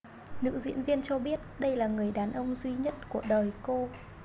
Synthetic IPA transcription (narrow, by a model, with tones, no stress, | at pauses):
nɨ̰˧˥zḭ˧˥ənvi˧ənt͡ɕɔ˧ɓi˦˥ət̚ɗə˧jlaː˨˩ŋɨ˨˩əjɗaː˨˩nʔə˧wŋ͡mzwi˧ɲə˦˥t̚ku˧˩əɗəː˨˩jko˧